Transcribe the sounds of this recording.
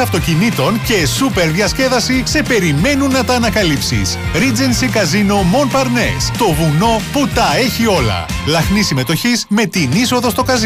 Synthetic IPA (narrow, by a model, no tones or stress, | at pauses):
ɐft̪o̞cinit̪o̞nce̞supe̞ɾðjɐsce̞ðɐsise̞pe̞ɾime̞nunːɐt̪ɐːnɐkɐlipsḭsɾid͡ze̞nsikɐzino̞mo̞npɐɾne̞̰st̪o̞vuno̞put̪ɐe̞çio̞lɐ̰lɐxnisime̞t̪o̞çizme̞t̪iniso̞ðo̞st̪o̞kɐz